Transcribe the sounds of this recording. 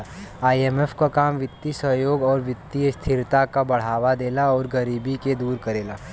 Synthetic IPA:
aːieːmɛfʰkakaːmʋɪt̪ːisəɦjoːɡɔːɾʋɪt̪ːist̪ʰɪɾt̪akabɐɽ̤aːʋad̪eːlaɔːɾɡɐɾiːbiked̪uːɾkɐɾeːlaː

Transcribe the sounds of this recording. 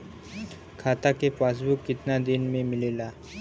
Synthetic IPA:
kʰaːt̪akepas̬bukːɪt̪nad̪inmẽmɪlela

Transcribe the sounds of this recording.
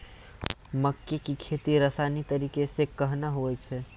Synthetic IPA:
məkːekikʰet̪iɾəsanit̪əɾikesekəɦnaɦoɛt͡ʃʰɛ

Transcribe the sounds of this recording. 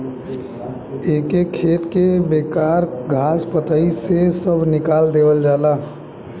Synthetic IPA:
ekekʰet̪kebekaɾɡʱaspət̪əisesəbʱnɪkald̪ebəld͡ʒaːla

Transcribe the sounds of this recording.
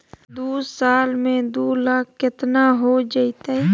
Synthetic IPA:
d̪uːsaːlmẽd̪oːlaːk̚ʰːɪt̪naɦod͡ʒait̪aɛ

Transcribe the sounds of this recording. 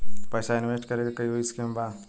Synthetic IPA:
pəːsaɪnʋeːsʈkɐɾeːɡakɐiɦoiskeːmbaːd̪

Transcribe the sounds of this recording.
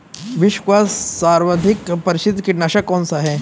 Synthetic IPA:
ʋiɕʋasːaɾʋəd̪ʱikpəɾiɕid̪ʱkiʈnaɕəkːɔnsaɦe

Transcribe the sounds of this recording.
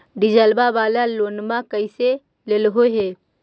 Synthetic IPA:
ɖɪd͡ʒəlbabaːlaloːnmãkəise | lelɦoɦeː

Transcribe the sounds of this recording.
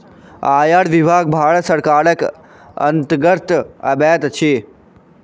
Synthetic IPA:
aːjaɽʋibʱaːɡ̚bʱaːɭət̪sɐɾkaːɾək | ɐ̰nt̪ɡəɾt̪ɐ̰bɛːt̪t͡ʃʰi

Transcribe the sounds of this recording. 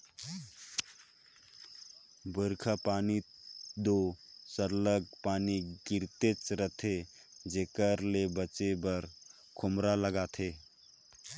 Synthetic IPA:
bəɾkʰapaːnid̪osəɾləɡ̚paːniɡiɾt̪et͡sɾət̪ʰe | d͡ʒekəɾlebət͡ʃebəɾ | kʰʊmɾaləɡat̪ʰe

